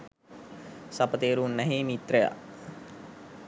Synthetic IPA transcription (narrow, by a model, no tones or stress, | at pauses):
sɐpət̪eːɾuːnːɛɦeːmit̪ɾəja̰